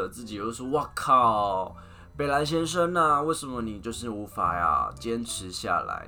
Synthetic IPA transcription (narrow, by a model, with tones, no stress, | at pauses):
ə˨t͡sɹ̩˥˩t͡ɕi˨˩t͡ɕo˥˧ʊʂ̩˥˧wa˥˩kʰɑ˥˩ʊ | pe˨˩ɪla˧˥nɕ̬jɛ˥nʂ̬ə˥ŋna˧we˥˩ɪʂə˧˥nmə˦ni˨˩t͡ɕjo˥˧ʊʂ̬ɻ̩˥˩u˧˥fa˨˩ja̰˨˧˩t͡ɕjɛ˥nʈ͡ʂʰɻ̩˧˦ɕja̰˥˩la̰˧˥˦ɪ